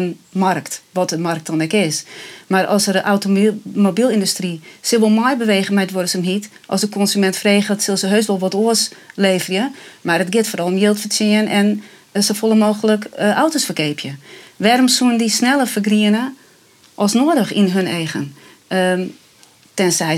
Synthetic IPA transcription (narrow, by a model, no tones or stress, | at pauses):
ənmarktʋɔtəmark̚tɔnɛkɪsmarɔ̰sərəʔawtomobilˠindustrisɪlˠʋɔlˠmɔjbəʋeːɣəmɛjtʋodəsəmɦit | ʔɔ̰sdəkʰɔnsymɛntfreːxətsɪlˠsəɦøːstʋɔlˠʋɔtoəsleːfərjəmarətɡɪtforɔlˠmjɪːlˠtfəsɪənɛn | sofolˠəmoːxələkʔawtosfərkeːpʰjəʋɛɾomsuəndisnɛlˠəfərɡriənə | ʔɔlˠsnoːədəxḭnɦøneːɣən | tɛnsɛ